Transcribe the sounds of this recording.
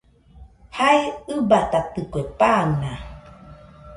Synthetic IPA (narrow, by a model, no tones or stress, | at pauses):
hajɯbat̪at̪ɨkuepana